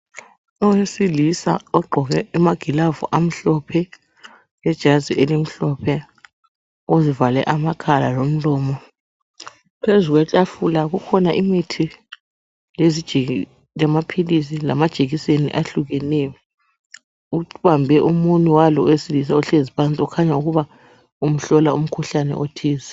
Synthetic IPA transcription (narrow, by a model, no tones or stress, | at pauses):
ɔwesilisa̰ɔɡ͡ǃʱɔɣɛumaɡ̥ʱilavṵʔam̩ɬɔpʰɛ | jɛd̥ʒ̥ʱaziʔelim̩ɬɔpʰɛ | ozivalɛ̰ʔamakʰala̰lom̩lɔːmɔ | pʰezuɣ̬wɛt͡ɬʼafulaɣukʰɔnaʔimitʰi | lezid̥ʒ̥ʱe | jamapʰilisila̰mad̥ʒ̥ʱeɣisenḭʔaɬuɣɛnɛjɔ | uβambʱɛʔumunuwalɔesilis̬auɬezipant͡sʼiukʰaɲauɣuβa | um̩ɬɔlaum̩kʰuɬanɛ̰ʔotʰiːzɛ